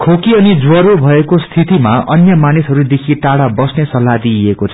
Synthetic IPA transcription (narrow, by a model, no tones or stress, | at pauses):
kʰokiʌnid͡zwʌɾobʱʌekost̪ʰit̪imaʔʌ̰njʌmanisɦʌɾud̪ekʰiʈaɽabʌsnesʌlːad̪iekot͡sʰʌ